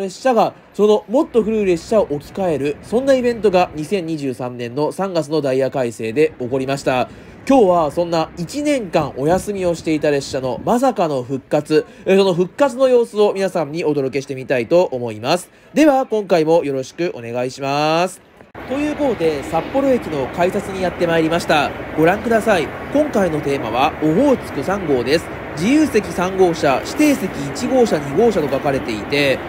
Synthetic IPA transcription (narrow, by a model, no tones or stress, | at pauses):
ɾeɕaɡa | so̞no̞mo̞t̪ːo̞ɸɯ̟ɾɯ̟ːɾe̞ɕaoʔokʲi̥kae̞ɾɯ̟sõ̞nːaibẽ̞nt̪o̞ɡaɲ̟isẽ̞ɲ̟ːiʑɨːsãnːẽ̞nːo̞sãŋɡat͡sɨno̞d̪aiakaise̞ːd̪e̞o̞ko̞ɾʲimaɕi̥t̪a | kʲo̞ːβasõ̞nːait͡ɕinẽ̞ŋkãŋʔo̞jasɨmʲio̞ɕi̥t̪e̞it̪aɾe̞ɕːano̞mas̬akano̞ɸɯ̟kːat͡sɨso̞no̞ɸɯ̟kːat͡sɨno̞jo̞ːsɨo̞mʲinasãɲ̟ːio̞d̪o̞ɾo̞ke̞ɕi̥t̪e̞mʲit̪ait̪o̞ʔːmo̞imasɨ̥ | d̪e̞βakõ̞ŋkaimo̞jo̞ɾo̞ɕi̥kɯ̟ʔo̞̰ne̞ɡaiɕimasɨ̥ | t̪o̞jɯ̟ːko̞t̪od̪e̞sapːo̞ɾo̞e̞kʲino̞kaisat͡sɨɲ̟ijat̪ːe̞maeɾʲimaɕi̥t̪aɡ̥o̞ɾãŋkɯ̟d̪asai | kõ̞ŋkaino̞t̪e̞ːma̰β̞aoɦo̞ːt͡sɨ̥t̪o̞sãŋɡo̞ːd̪e̞sɨ̥ | d͡ʑijɯːse̞kʲisãŋɡo̞ːɕaɕi̥t̪e̞ːse̞kʲiːt͡ɕiɡo̞ːɕaɲ̟iɡo̞ːɕat̪o̞kakaɾe̞t̪e̞it̪e̞